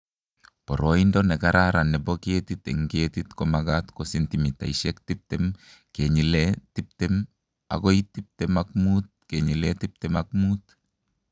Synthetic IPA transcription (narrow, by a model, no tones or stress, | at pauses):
pɔɾoindɔnɛkaɾaɾanɛboket̪it̪ɛ̰ŋɡet̪it̪komaɡat̪kosintimit̪a̰iʃɛk̚tip̚tɛm | keɲiletip̚tɛm | a̰ɡoit̪ip̚tɛmak̚mut̪̚keɲiletip̚tɛmak̚mut̪